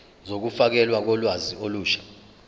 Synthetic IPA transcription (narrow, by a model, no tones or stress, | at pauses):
zok̬ufak̬ɛlwak̬ɔlwazioluːʃḁ